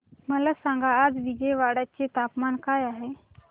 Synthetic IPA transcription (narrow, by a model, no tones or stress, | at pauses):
məlasãŋɡʱaːd͡zʋid͡ʑeʋaɽat͡set̪apmankajaɦe